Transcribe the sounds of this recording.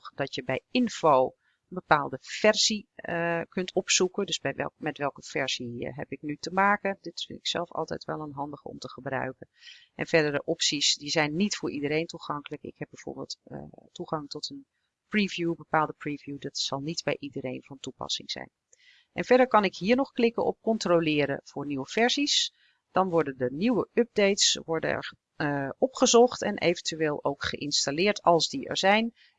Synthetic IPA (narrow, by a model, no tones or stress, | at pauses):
xd̥ɑtjəbɛjɪnfow | ənbəpaːlˠdəfɛrz̥ikɵntʰɔpsukəndɵsbɛjʋɛ̰mɛtʋɛlˠkəv̥ɛɹz̥iɦɛpɪk̚nytəmaːkədɪtfɪ̰ntɪ̥ksɛ̰lˠfɑ̰lˠtɛ̰jtʋɛlˠənɦɑndəχɔ̰mtəχəbrœ̰ɥkənʔɛnfɛɹdəɹdəʔɔpsisdizɛjnːitfʊːɹʔidəɾejntuxɑŋkələkɪ̰khɛb̚bɛjv̥o̰ːɹbɪːlˠttuχɑŋtɔtʰən | privjubəpaːlˠdəprivjudɑtsɑlˠnitbɛ̰jʔidəɾejnvɑntupɑ̰sɪ̰ŋz̥ɛ̰jn | ʔɛnvɛɹdəɹkɑnɪkɦiːɹnɔχklɪkəɔ̰p̚kɔntrolɪːɾə̰v̥ʊːɹniwəv̥ɛɹzis | d̥ɑnʋɔɹdəndəniwəʔɵb̚dejtsʋɔɹdə̰ɛ̰ɹ | ɔpχəzɔχtɛ̰nʔḛjvəntyʋeːlˠowkχəʔɪnstalɪːɹtɑlˠzdiɛ̰ɹzɛjn